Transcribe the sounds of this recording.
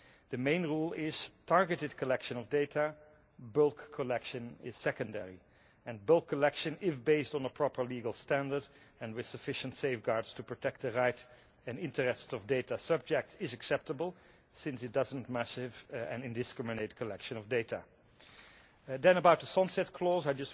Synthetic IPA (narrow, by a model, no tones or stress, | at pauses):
ðɨmẽɪ̃nɹulˠɪz̥tʰɑɹɡɨtɨd̚kʰəlɛkʃɨ̃nɔvdeɪtʰa | bɪlˠkʰəlɛkʃɨ̃nɪz̥sɛkə̃ndɛ̰ɹḭ | ɨ̃nbɪlˠkʰːəlɛkʃɨ̃nɪfbeɪstn̩əpʰɹ̥ɔpʰə˞liɡəlˠstæ̃ndə˞d | ɨ̃nwɨð̥səfɪʃə̃ntseɪfɡɑɹdstʰupʰɹ̥ɔtʰɛk̚t̪̚ðəɹaɪt | ɨ̃nɪ̃ntəɹɛstʌvdeɪtasʌb̚d͡ʒɛk̚tsɪzɨksɛp̚təbəlˠ | sɪ̃nsɨt̚d̥ʌzə̃ntmæsɪvɨ̰̃nɪ̃ndɨskɹɪmɨneɪt̚kʰəlɛkʃɨ̃nʌvdeɪtə | dɨ̃nəbaʊt̪̚ðəsɑ̃nsɛt̚kʰlɔzaɪd͡ʒʌs